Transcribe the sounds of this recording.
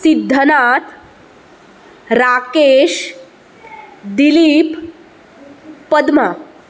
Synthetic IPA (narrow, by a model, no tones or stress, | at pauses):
sid̪ʱːənat̪ | ɾakeʃ | d̪iliːp | əd̪ma